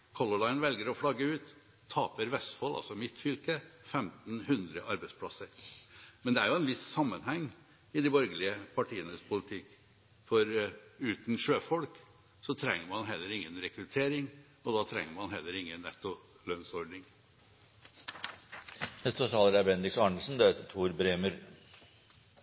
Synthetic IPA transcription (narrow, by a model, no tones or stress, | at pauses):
kʰɔlʊlɑɪnʋɛlɡəɾɔfɽɑɡəʉːt̪ʰː | ɑːpəɾʋɛst̪fɔlʔɑ̰lsɔmɪt̪fʏlkəfɛmt̪n̩hʉnd̪ɾəʔɑɾbæɪd̪spʰlɑ̰səɾmɛnd̪ɛæɾjʊɛnʋɪssɑmːənhɛŋː | ɪd̪ɪbɔɾɡəlɪəpʰɑʈʰiːənəspʰʊlɪt̪ʰɪkː | fɔɾʉːt̪n̩ʂøːfɔlk | sɔt̪ʰɾɛŋːəɾmɑnɦɛlːəɾɪŋːənɾɛkɾʉt̪ʰeːɾɪŋ | ɔd̪ɑt̪ʰɾɛ̰ŋːəɾmɑnɦɛlːəɾɪŋːənːɛ̰t̪ːʊ | lœnsɔɖɳɪŋ | nɛst̪ɔt̪ʰɑːləɾæbɛnd̪ɾɪksɑɳəlsn̩d̪ɛheːt̪ət̪ʰuːɾbɾeːmʉɾ